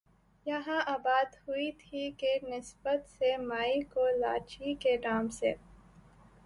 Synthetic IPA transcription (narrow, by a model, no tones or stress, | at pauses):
jɐɦãʔaːbaːd̪huit̪ʰikenɪsbət̪semaːikola̰ːt͡ʃikeɖaːmsḛː